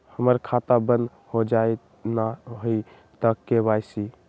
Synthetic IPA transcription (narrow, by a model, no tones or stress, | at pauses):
həməɾkʰat̪abənd̪ | hod͡ʒaj | naɦoi | t̪əkːeβajsi